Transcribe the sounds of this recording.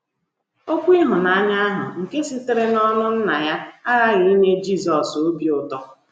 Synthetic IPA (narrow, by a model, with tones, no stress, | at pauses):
o˦kʷi˦ɦʊ˨na˦a˦ɲa˦a˦ɦʊ˨ŋ̩˨ke˦sɪ˦tɪ˦ɾɪ˦nɔ˦nʊ˦n̩˦na˨ja˦a˦ɾa˦ɣi˨i˦ne˦d͡ʒi˦˨zɔ˨so˦bi˨ʊ˨tɔ˦